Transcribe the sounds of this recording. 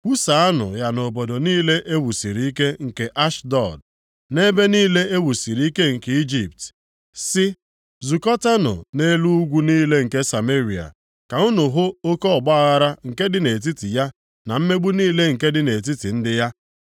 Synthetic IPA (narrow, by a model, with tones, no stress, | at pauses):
wu˦sa˨a˦nʊ̰˨ja˨no˨bɔ˨do˨niː˦le˦ʔe˦wu˨si˨ɾi˨˦i˦ke˦ŋ̩˨ke˨ʔa˦ʃdɔ˨d̚ | ne˦be˦niː˦le˦e˦wu˨si˨ɾi˦i˦ke˦ŋ̩˨ke˨i˦d͡ʒi˨p̚t | sɪ˦ | zu˨kɔ˦ta˦nʊ̰˨ne˦lu˦u˦ɡʷu˦niː˦le˦ŋ̩˨ke˦sa˨me˦ɾi˨a̰˨ | ka˨ʊ˦nʊ˨ɦʊ˦o˦kɔ˦ɔ˨ɡ͡ba˦a˦˨ɣa˦ɾa˦ŋ̩˨ke˦dɪ˦ne˨t̬i˦ti˨ja˦ | na˨m̩˦me˦ɡ͡bu˦niː˦le˦ŋ̩˨ke˦dɪ˦ne˨t̬i˦ti˨n̩˦dɪ˦ja˦